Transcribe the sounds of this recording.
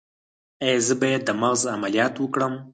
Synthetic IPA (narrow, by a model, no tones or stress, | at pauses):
ajzəbajed̪ːəmaɣzamalijɑt̪wəkɽəm